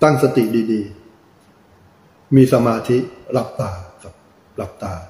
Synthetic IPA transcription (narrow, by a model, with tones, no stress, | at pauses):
t̪a˥˩ŋsa˧t̪i˨˩diː˧diː˧ | miː˧sa˧maː˧t̪ʰi˦˥ʔɾa˦˥p̚t̪aː˧ka˨˩ | ɾa˨˦˩p̚t̪aː˧